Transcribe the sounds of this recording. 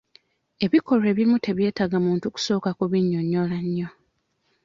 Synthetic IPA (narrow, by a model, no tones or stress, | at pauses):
e̞βiko̞ɾe̞ːβimutʰe̞βje̞ːtaɡamuːntuku̥so̞ːkakuβiɲːo̞ɲːolaɲːo̞